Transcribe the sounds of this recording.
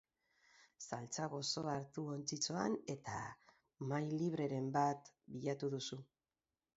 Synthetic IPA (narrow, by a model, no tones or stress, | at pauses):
salt͡saɣo̞so̞aɾt̪uo̞nt͡sit͡so̞ane̞t̪a̰ | majliβ̞ɾe̞ɾe̞mbat̪biʎat̪uðusu